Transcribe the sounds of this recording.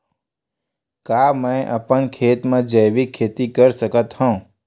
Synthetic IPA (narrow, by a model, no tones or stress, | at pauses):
kamə̃ẽʔapəɳkʰet̪mãd͡ʒəjʋikʰːet̪ikəɾsəkət̪hɔ̃